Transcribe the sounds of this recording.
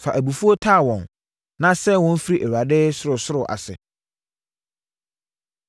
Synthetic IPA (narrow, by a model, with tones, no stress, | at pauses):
fa˨ʔæ˨bu˨fu˦o˦tʰa˦˨wɔ̃˨n | nã˦sɛ˦wɔ̃˦n˦fi˦ɾi˦˨ʔæ˨wu˨a˨dɪː˦sʊ˦ɾʊ˨sʊ˦ɾʊ˨ʔa̰˨sɪ̰˨